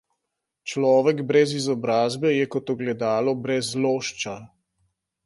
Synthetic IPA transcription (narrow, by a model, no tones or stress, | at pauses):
t͡ʃlɔːʋɛɡbɾɛzizɔbɾaːzbɛjɛkɔt̪ɔɡlɛd̪aːlɔbɾɛzloːʃt͡ʃa